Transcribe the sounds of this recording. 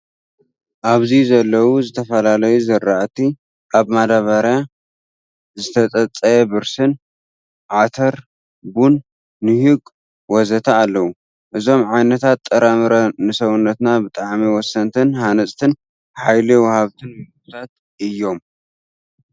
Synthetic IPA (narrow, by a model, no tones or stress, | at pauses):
ʔaβzizɐlːɐwuzɨt̪ʰɐfɐlalɐjuzɨɾːaʔt̪ʰi | ʔaβmad̪aβaɾja | zɨt̪ʰɐt͡sʼɐt͡sʼːɐjɛbɨɾsɨn | ʕat̪ʰɐɾ | bunː | ɨhɨɡʼ | wɔzɐt̪ʰaːlːɐwu | ʔɨzo̞mʕajnɐt̪ʰat̪ʼːɐɾamɨɾɐnɨsɐwunːɐt̪nabɨt̪ʼaʕmiwɔsːɐnt̪ʰɨnhanɐsʼt̪ʰɨn | ħajliwɐhaβt̪ʰɨnmɨut̪ʰat̪̚ | ʔɨjːo̞m